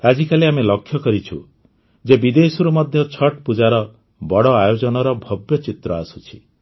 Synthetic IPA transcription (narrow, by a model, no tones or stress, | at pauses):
kad͡ʒikaliamelɔkʰːjɔkɔɾit͡ʃʰu | d͡ʒebid̪esuɾumɔd̪ʱjɔt͡ʃʰɔʈpud͡ʒaɾɔ | bɔɽɔajod͡ʒɔnɔɾɔbʱɔbjɔt͡ʃit̪ɾɔasu̥t͡ʃʰi̥